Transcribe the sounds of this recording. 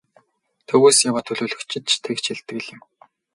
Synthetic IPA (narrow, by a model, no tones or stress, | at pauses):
t̪ʰɵɣuːsjawaːt̪ʰɵɮuːɮɵ̆kt͡ɕʰɪ̆t̪̚t͡ɕʰt̪ʰekt͡ɕʰiɮt̪ɘ̆ɣ̆ɮɪ̆m